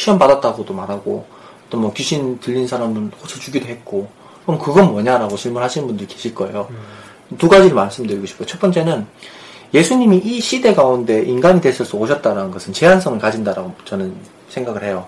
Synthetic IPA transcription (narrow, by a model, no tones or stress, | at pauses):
ɕʰiʌnpadat̚t͈aɡodomaɾɦaɡo̰ | ʌt͈ʌnmwʌkuɕʰintɯʎːinsʰaɾamɯnkot͡ɕʰʌt͡ɕuɡidoɦe̞t̚k͈o | kʌmkɯɡʌnmwʌɲaɾaɡoɕʰiɭmuɭɦhaɕʰinɯnmbundɯɭke̞ɕʰiɭk͈ʌe̞jo | tuɡad͡ʑiɾɯɭmaɭs͈ɯmdɯɭiɡoɕʰi̥p͈ʰkoot͡ɕʰʌp͈ʌnt͡ɕ͈e̞nɯnje̞sʰuɲimiʔiɕʰide̞kaunde̞ʔinɡaɲidwe̞s͈ʰɯɭs͈uoɕʰʌt̚t͈aɾanɯnɡʌsʰɯnt͡ɕe̞ɦans̬ʰʌŋɯɭkad͡ʑindaɾaɡot͡ɕʌnɯn | sʰeŋɡaɡɯɭhe̞jo